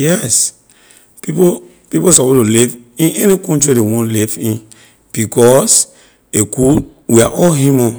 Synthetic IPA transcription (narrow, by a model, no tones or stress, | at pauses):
jɛs | pipo | piposapotulivĩnɛnikɔ̃ntɹidewɔ̃nlivĩn | b̥ikɔs | eku | wiaʔɔɦimɔ̃